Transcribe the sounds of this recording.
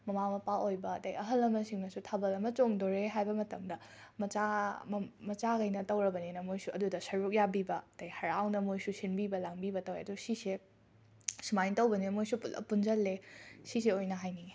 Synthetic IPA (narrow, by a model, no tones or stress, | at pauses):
mɐmamɐpawojbɐtɐjɐɦɐlɐmɐsiŋnɐsutʰabɐlɐmɐt͡ʃoŋdoɾeɦajbɐmɐtɐmdɐ | mɐt͡ʃa | mɐt͡ʃaɡɐjnɐtɐwɾɐbɐninɐmojsuɐdudɐsɐɾuk̚jabibɐtɐjhɐɾawnɐmojsusinbibɐlaŋbibɐtɐweɐdusise | sumajntɐwbɐninɐmojsupulɐ̰punzɐlːesis̬eojnɐɦajnie